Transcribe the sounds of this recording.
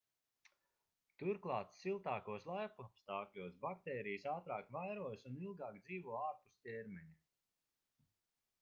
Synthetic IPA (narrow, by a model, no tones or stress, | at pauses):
t̪uɾklˠɑːt̪silˠt̪aːkuɔslˠajpupst̪aːklʲuɔsbakt̪ɛːɾijsaːt̪ɾaːkvajɾuɔjsunilˠɡaːkd̪ziːvuɔaːɾpustʲɛɾmɛɲu